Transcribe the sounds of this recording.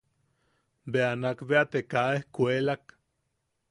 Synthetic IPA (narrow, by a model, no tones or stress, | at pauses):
beanakbeat̪ekaehkʷelak